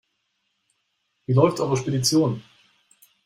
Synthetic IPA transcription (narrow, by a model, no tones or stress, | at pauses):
viːlɔʏftʔaːbɐʃpedit͡sjoːn